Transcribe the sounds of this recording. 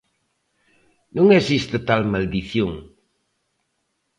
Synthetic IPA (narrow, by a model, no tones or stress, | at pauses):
nũŋesist̪ɪt̪almald̪iθjoŋ